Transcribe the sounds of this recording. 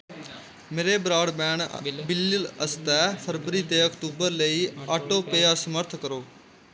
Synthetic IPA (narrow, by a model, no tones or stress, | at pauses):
meːɾeːbɾaːɽbɛ̃ːɳbɪlːɪləst̪ɛːpʰəɾbəɾiːt̪eːəkt̪uːbəɾləiːaːʈõːpeːaːsəməɾt̪ʰkəɾoː